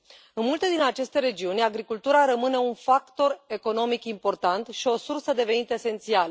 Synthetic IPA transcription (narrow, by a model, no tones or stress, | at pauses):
ɨnmult̪e̞d̪inat͡ʃe̞st̪e̞ɾe̞d͡ʒiunʲaɡɾikult̪uɾaɾəmɨne̞unfakt̪o̞re̞ko̞no̞mikimpo̞rt̪ant̪ʃio̞sursəd̪e̞ve̞nit̪əese̞nt̪sialə